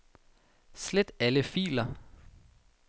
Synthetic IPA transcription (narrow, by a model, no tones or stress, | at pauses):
sled̥æləfḭːlɐ